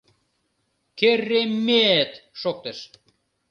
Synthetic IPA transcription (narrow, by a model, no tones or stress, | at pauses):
kerːemːet̪ʃok̚t̪eʃ